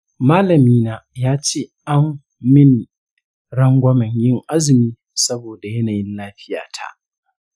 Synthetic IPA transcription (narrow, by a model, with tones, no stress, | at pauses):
maː˦lɐ˨miː˦naː˦˨jaː˦t͡ʃeː˦˨ʔa˦mː | ɪ˦ni˨ | ɽɐ˦ŋɡʷɐ˦mɛ˨ɲjɪ˦˨ŋʔa˦zɪ˨miː˦ | sɐ˦boː˨da˨jɐ˦naː˨jɪ˦nlaː˦ɸɪ˦ja̰ː˨tʰa̰˦˨ʔ